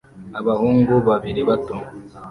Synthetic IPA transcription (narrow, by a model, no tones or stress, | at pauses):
aβahuːŋɡuβaβiɾiβatom